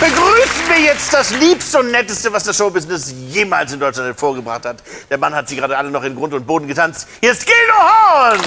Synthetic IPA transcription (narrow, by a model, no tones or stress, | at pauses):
b̥əɡʁyːsn̩viːɐjɛt͡st̚d̥asliːpstəʊntnɛtəstəvasd̥asʃoʊbɪznɪsjeːma̰ːlsɪndɔt͡ʃlanthɛfoːɐɡəbʁa̰χthatd̥eːɐmanhatz̥iːɡəʁaːdəʔalənɔχɪnɡʁʊntʊnt̚b̥oːdn̩ɡətʰant͡sthiːɐstɡ̥eːnuan